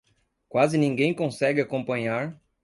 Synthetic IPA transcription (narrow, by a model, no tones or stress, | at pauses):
kwazɪnĩŋɡẽj̃kõsɛɡɪakõmpɐ̃ɲaɾ